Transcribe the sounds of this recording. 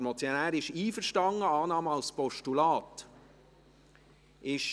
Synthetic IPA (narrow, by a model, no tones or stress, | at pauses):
mɔt͡sjonæːɾɪʃiːfəɾʃtɑŋːəɑːnɑːməɑlspɔʃtulɑːt | ʔɪʃ